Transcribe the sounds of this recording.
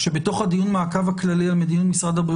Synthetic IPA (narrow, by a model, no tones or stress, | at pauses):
ʃe̞beto̞χhad̪ijunmaːkavhaklalialmed̪inutmisʁad̪habʁi